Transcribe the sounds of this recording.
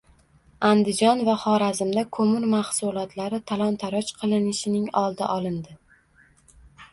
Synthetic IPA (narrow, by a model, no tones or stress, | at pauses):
and̪ɪd͡ʒɒnvaχɒɾazɪmd̪akʰɵmʊɾmaχsʊlˠɒt̪laɾɪt̪ʰalˠɒnt̪ʰaɾɒt͡ʃqʰɨlˠɪnɪʃɪnɪŋɒlˠd̪ɪ̰ʔɒlˠɪnd̪ɪ